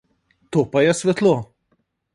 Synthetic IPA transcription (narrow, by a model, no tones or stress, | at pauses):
t̪oːpajɛsʋɛt̪lo